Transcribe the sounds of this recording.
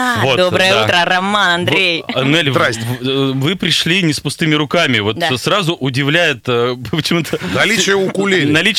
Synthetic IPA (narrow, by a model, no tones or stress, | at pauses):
votd̪obɾəjəaut̪ɾərɐmːanɐnd̪ɾʲejɐnelʲɾasʲvɨpɾʲɪʂlʲinʲɪspʊst̪ɨmʲɪɾʊkamʲɪvo̞t̪srazʊʔʊdʲɪvlʲæjɪt̪əppət͡ɕɪmut̪ʰənɐlʲit͡ɕɪjəʊkʊlʲenɐlʲit͡ɕ